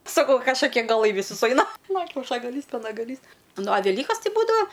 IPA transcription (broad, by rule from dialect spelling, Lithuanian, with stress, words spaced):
sɐˈkɐʊ kɐʃkɐˈkʲiɛ ɡɐˈlˠɐɪ ʋʲɪsuː sʊˈɐɪnɐ nʊ kʲɛʊʃɐɡɐˈlʲiːs pʲɛnɐɡɐˈlʲiːs ˈnʊ ɐ ʋʲɛˈlʲiːkɐs ˈtʲɪ ˈbuːdɐʋɐ